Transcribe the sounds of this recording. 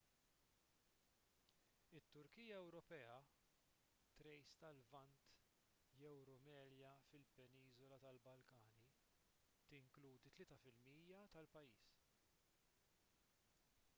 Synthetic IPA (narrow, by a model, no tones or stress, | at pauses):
ɪt̪ːʊɾkiːjɐɛwɾɔpɛːɐ | t̪ɾɛjst̪ɐlvɐnt̪ | jɛwɾʊmɛːljɐfɪlpɛniːzɔlɐt̪ɐlbɐlkɐːni | t̪ɪŋkluːd̪it̪lɪːt̪ɐfɪlmiːjɐt̪ɐlpɐjiːs